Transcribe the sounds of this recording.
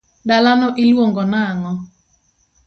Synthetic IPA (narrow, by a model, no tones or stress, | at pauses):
dalanɔʔɪlwoŋɡɔnaŋɔ